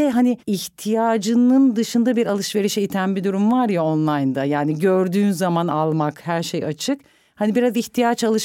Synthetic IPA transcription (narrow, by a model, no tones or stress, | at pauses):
ɦaniiçt̪ʰijaːd͡ʒɯnɯnd̪ɯʃɯnd̪abiɾalˠɯʃve̞ɾiʃejit̪ʰænbid̪uɾumvaɾjaonlˠajnd̪ajaːniɟøɾd̪yːnzamanalˠmakhæɾʃejat͡ʃʰɯk | hanibiɾaziçt̪ʰijat͡ʃalˠɯʃ